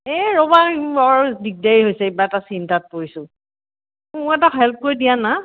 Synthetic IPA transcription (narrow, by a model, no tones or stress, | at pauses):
ɛɹɔbaaɹɹudik̚daɹiɦojsɛibaɛtasintat̚poɹisʊ̃ | mɔɛtaxɛlp̚koɹidijana